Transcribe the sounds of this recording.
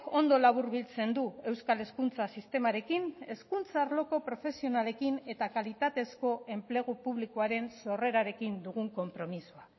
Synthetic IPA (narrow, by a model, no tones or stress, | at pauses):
o̞nd̪o̞laβuɾβilt͡se̞nd̪ue̞wskale̞skunt͡sasist̪e̞maɾe̞kine̞skunt͡saːɾlo̞ko̞pɾo̞fe̞sio̞nale̞kine̞t̪akalit̪at̪e̞sko̞e̞mple̞ɣ̞upuβlikoaɾe̞nso̞re̞ɾaɾe̞kind̪uɣ̞uŋko̞mpɾo̞misua